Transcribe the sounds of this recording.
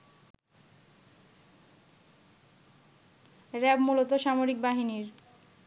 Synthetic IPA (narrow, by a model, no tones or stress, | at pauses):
ɾɛbmulot̪oʃamoɾik̚baɦiniɾ